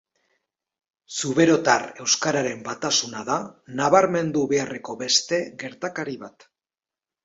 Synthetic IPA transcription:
suβe̞ɾo̞t̪are̞wskaɾaɾe̞mbat̪asunaðanaβaɾme̞nd̪uβe̞are̞ko̞βe̞st̪e̞ɣe̞ɾt̪akaɾiβat̪

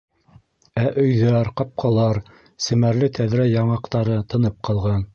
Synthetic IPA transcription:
æʔɵ̆jðæɾqɑp̚qʰɑlˠɑɾ | sɘ̆mæɾlɘt̪ʰæðɾæjɑɴɑqt̪ɑɾɤt̪ɤ̆nɤp̚qʰɑlˠʁɑn

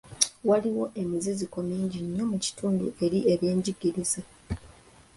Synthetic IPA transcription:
waliwo̞ʔe̞mizizikomiːɲɟiɲːo̞muci̥tʰuːndṵʔe̞ɾie̞βje̞ːɲɟiɡiɾize

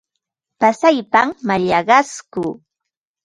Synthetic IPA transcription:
pasajpamːaʎɑɢɑskuː

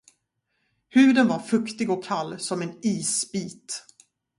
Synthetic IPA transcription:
hʉ̟ːd̪ənvaɾfɵkt̪ɪɡɔkʰːalːsɔmɛniːsbiːt̪

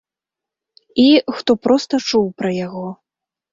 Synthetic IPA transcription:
ixt̪ɔpɾɔst̪ɐt͡ʂuwpɾɐjaɣɔ

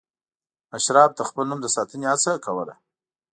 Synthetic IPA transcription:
aʃɾɑb̚t̪axpəlnumd̪əsɑt̪əneat͡sakawəla̰

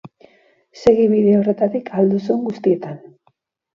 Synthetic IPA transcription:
se̞ɣiβiðe̞o̞re̞t̪at̪ikʰald̪usueŋɡust̪ie̞t̪an

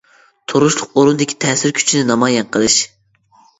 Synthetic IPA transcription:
t̪ʰoɾuʃlˠʊqoɾund̪ɪkʲʰi̥t̪ʰɛːsɪɾkʲʰy̥t͡ʃʰinɪnɑmɑːjɛnqʰəlˠɨʃ

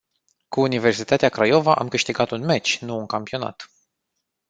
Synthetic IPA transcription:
kuːnive̞rsit̪at̪eakɾajo̞vaʔa̰mkɨʃt̪iɡat̪unmet͡ʃʲnuːŋkampio̞na̰t̪

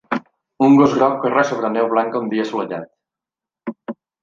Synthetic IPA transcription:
uŋɡozɣɾɔk̚kərasoβɾənewβ̞laŋkəund̪iəsuləʎa̰t̪̚

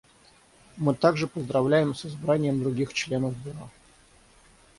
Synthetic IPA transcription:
mɨt̪aɡʐɨpəzd̪ɾɐvlʲæjɪmsɨzbɾanʲɪjəmd̪ɾʊɡʲixt͡ɕlʲe̞nəvbɪɾa

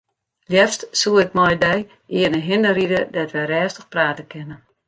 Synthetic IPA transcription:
ljɛstsuəɪk̚mɔjdɛj | iənəɦɪndəɾidədɛtʋɛɾɛːstəxpraːtəkɪnə

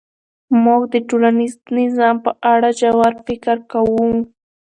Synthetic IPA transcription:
mokd̪ɪʈʊɾanɪsnɪzampaʔaɽad͡ʒawaɾpɪkaɾkawuŋ

